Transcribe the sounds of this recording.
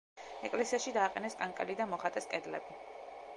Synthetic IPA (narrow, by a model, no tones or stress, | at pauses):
ɛkʼlɛsiasʃid̪aːqʼɛnɛskʼaŋkʼɛlid̪amɔχat̪ʼɛskʼɛd̪lɛ̰bi